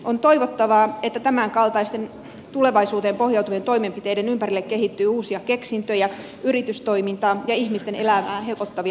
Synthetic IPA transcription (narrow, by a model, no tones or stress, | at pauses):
ʔont̪o̞iʋot̪ːɑʋɑːe̞t̪ːæt̪æmæŋkɑlt̪ɑist̪e̞n | t̪ule̞ʋɑisuːt̪eːmpo̞hjɑˑut̪uʋent̪o̞imempit̪e̞idenympærilːekːe̞ɦit̪ːyːuːsiɑke̞ksint̪øjɑ | yɾit̪yst̪o̞imint̪ɑːjɑihmist̪e̞nelæʋæːhe̞lpot̪ːɑʋi